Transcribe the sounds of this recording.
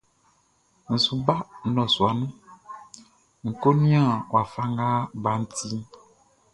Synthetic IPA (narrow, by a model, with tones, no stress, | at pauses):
ŋ̩˨su˨ba˦n̩˦lɔ˨su˨a˨nũ˦ | ŋ̩˨ko˦nĩ˦ã˦˨o˨a˨fa˦ŋ˦ɡa˦ba˦ŋ̩˦t̪i˦